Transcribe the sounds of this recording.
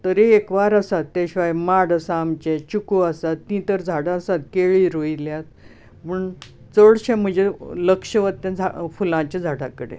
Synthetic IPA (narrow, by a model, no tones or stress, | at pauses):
t̪əɾeːkʋaɾasat̪ːẽɕʋajmaɽəsaːmt͡ɕet͡ɕukoasat̪ːĩt̪əɾd͡zʱaɽãsat̪̚keɭiɾoiljat̪̚ | pəɳ | t͡səɽɕẽm̤əd͡ʑʱeləkʂəʋət̪ːẽd͡zʱafulãt͡ɕed͡zʱaɽãkəɽḛ̃